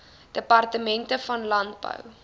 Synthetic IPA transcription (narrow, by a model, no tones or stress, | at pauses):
d̥əpɐrtəmɛntəfɐnlɐnt̚bə̰w